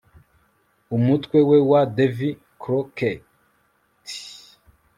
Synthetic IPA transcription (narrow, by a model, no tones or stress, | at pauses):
umut̪kwewewad̪evi | kɾɔkɛ | t̪i̥